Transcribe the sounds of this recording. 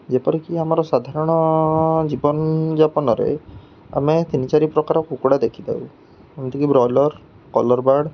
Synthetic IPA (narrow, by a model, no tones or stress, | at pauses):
d͡ʒepɔɾikiamaɾɔsad̪ʱaɾɔɽ̃ɔd͡ʒibɔnd͡ʒapɔnɔɾḛ | a̰met̪init͡ʃaɾipɾɔkaɾɔkukuɽad̪ekʰid̪a̰w | amt̪ikibɾɔjlɔɾ | kɔlɔɾbaɽ